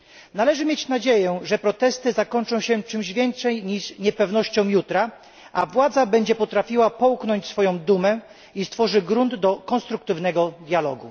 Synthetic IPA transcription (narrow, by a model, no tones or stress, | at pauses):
nalɛʐɘmʲjet͡ɕnad͡ʑejɛʐɛpɾɔt̪ɛst̪ɘzakɔnt͡ʂɔ̃w̃ɕɛt͡ʂɘmʑvʲjɛnt̪ʂɛjɲiʂɲɛpɛvnɔɕt͡ɕɔ̃w̃jut̪ɾa | ʔavwad̪zabɛɲd͡ʑɛpɔt̪ɾafʲiwapɔwknɔɲt͡ɕsfɔjɔ̃w̃d̪umɛ | ist̪fɔʐɘɡɾund̪ːɔkɔ̃nst̪ɾuk̚t̪ɘvn̪ɛɡɔd̪ʲjalɔ̰ɡṵ